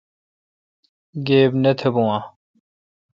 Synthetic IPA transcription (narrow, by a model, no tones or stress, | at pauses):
ɡeːbnet̪ʰebũwã